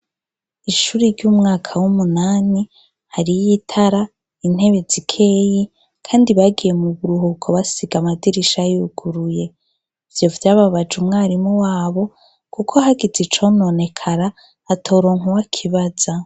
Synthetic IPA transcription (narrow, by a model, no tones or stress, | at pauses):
iʃuːɾiɾɟuːmŋaːkʰawumunaːni | haɾijitʰaɾa | in̥he̞βe̞zikʰe̞ji | kʰaːndiβaɡije̞muβuɾuɦukʰo̞βasiɡamadiɾiʃajuɡ̥uɾuje̞ | vjo̞vjaːβaβad͡ʒumŋaːɾimuwaːβo̞ | kukʰoɦaɡezit͡ʃo̞no̞ne̞kʰaɾaː | tʰo̞ːɾo̞ŋ̥uwakʰiβaz̥a